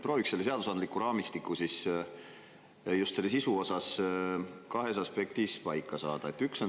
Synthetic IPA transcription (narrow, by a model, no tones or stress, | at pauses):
pro̞ːikselːese̞ɑd̪̥usɑnd̪likːˑuɾɑːmist̪ikːˑusis | just̪se̞lːes̬isuo̞sɑs | kɑɦe̞sɑspe̞k̚t̪ispɑjkːˑɑsɑːd̪̥ɑet̪ːˑykso̞